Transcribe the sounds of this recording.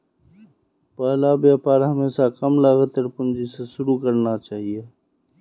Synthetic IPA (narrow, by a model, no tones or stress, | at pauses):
paːlaːbjaːpaːɾɦɐmeːsakɐmlaːɣət̪ɐɾpʊnd͡ʒiseʃʊɾuːkɐɾnat͡ʃaːɦie